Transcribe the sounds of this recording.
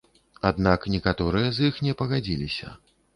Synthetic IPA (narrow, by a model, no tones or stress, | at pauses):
ad̪naknʲɛkat̪ɔɾɨjɐzjixnʲɛpɐɣad͡zʲilʲisʲɐ̰